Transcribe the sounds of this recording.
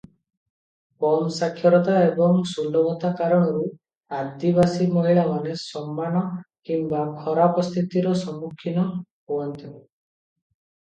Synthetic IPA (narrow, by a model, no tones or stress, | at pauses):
kɔmsakʰːjɔɾɔt̪aebɔŋsunɖɔbɔt̪akaɾɔɽ̃ɔɾu | ad̪iβasimɔɦiɭamanesɔmːañɔkimbakʰɔɾapɔst̪ʰit̪iɾɔsɔmːukʰːinɔɦoɔnt̪ʰibe